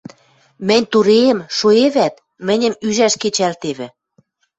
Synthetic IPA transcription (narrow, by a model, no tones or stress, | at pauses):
mɘ̆nʲt̪uɾeːmʃoeβæt̪ | mɘ̆nʲə̆myʒæʃket͡ɕælt̪eβɘ̆